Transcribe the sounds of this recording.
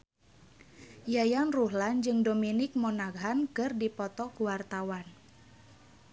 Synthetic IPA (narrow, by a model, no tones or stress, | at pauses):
jajanruɦland͡ʒɨŋdominɪk̚monaɡɦankɨrdipɔt̪ɔkuwart̪awan